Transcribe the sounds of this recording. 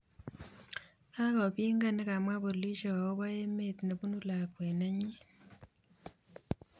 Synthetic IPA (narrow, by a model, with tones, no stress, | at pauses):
a˦ko˨βiː˦ŋɡa˦ne˦ka˨mwa˦βo˨li˦ʃo˨ka˨wo˦βa˦je˦meti˨ne˨βu˦nu˦la˨kwe˨na˦ɲi˦